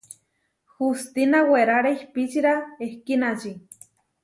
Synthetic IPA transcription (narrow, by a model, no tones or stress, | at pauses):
xust̪inaweɾaɾeihpit͡ʃiɾaehkinat͡ʃi